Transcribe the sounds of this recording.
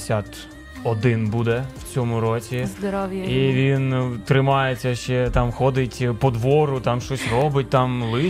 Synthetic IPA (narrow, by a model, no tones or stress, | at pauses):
sʲat̪ | ɔd̪ɪnbud̪ɛwt͡sʲɔmʊɾɔt͡sʲizd̪ɾɔiʋʲint̪ɾɪmɑjet͡sʲːɐʃt͡ʃɛt̪ɑmxɔd̪ɪtʲpɔd̪ʋɔɾʊt̪ɑmʃt͡ʃɔsʲrɔbɪt̚ʲt̪ɑmlˠɪ